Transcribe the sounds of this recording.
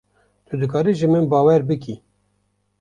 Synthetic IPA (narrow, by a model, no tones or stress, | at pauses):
t̪ʰɨd̪ɨkɑːɾiʒɨmɨnbɑːwɛɾbɨki